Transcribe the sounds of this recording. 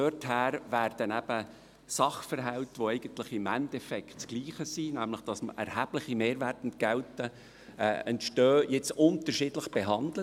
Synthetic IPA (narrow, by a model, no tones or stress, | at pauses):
øthæːɾʋæːɾd̥ənæb̥ə | sɑχfəɾɦæʊt̪ʋoɛɪɡ̥ənt̪ləχɪmæntɛfɛktsɡ̥liːχəsinæmləχd̥ɑsmʔɛ̰ɾhæb̥ləχimeːɾʋæːrtntɡ̥ɛltə | ɛ̰ɛntʃtøːjɪt͡sʊntəɾʃɪdləχb̥ɛɦɑndlə